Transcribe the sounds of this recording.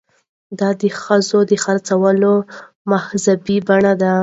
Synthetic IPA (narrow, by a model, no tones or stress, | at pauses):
d̪ɑd̪əxəzod̪əxaɾt͡sawəlo | mahzabibaɳad̪a